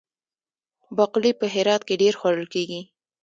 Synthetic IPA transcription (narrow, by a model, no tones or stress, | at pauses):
baqlipəɦɪɾɑt̪̚keɖeɾxwaɽəlkeɡi